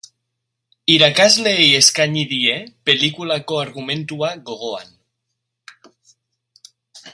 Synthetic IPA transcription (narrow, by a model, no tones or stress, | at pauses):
iɾakazleieskaɲiðiepelikulakoaɾɣumẽnt̪uaɣoɣoa̰n